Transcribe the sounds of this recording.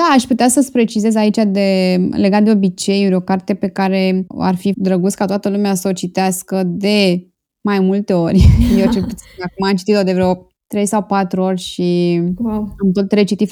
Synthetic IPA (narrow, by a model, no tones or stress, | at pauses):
d̪̥aːʃʲput̪easəspɾe̞t͡ʃize̞zait͡ʃad̪e̞leɡat̪̚d̪eo̞bit͡ʃe̞juɾʲo̞kart̪e̞pe̞kaɾe̞a̰rfid̪ɾəɡut̪skat̪oat̪əlumeasəot͡ʃit̪easkəd̪e̞ | majmult̪e̞o̞rʲjewt͡ʃelput̪siakumaamt͡ʃit̪it̪od̪eveɾeo | t̪ɾe̞jsawpat̪ɾuo̞rʲʃi | amt̪ot̪ɾe̞t͡ʃit̪if